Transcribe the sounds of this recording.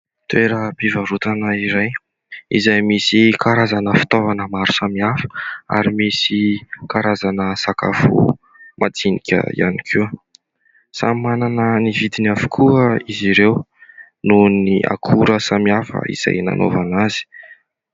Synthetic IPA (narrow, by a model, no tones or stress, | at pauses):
t̪weɾəpivaɾut̪anəiɾaj | izajmisikʰaɾazanəfi̥t̪ovanəmaɾusamiafə̥a̰ɾimisikaɾazanəsaka̰fṵ | mʔat͡sinikʲə̰ḭjʔa̰nikʰu | sammananənivid̪inafu̥kʰuəiziɾew | nuniʔa̰kʰuɾəsamiafə̰ḭz̥a̰jna̰nʔo̰vanazi̥